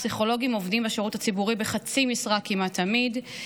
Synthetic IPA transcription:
siχo̞lo̞ɡimo̞vdimbaʃeʁutat͡sibuʁibeχat͡simisʁakːimatʰːamid

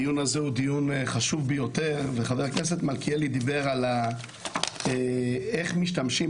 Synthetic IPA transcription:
ijunazeud̪ijunχaʃuvbejo̞t̪eʁveχaveʁknes̬et̪malkielid̪ibe̞ʁala | eeχmiʃtamʃi

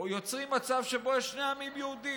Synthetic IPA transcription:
jot͡sʁimːat͡savʃebo̞jɛʃne̞jamimjuud̪i

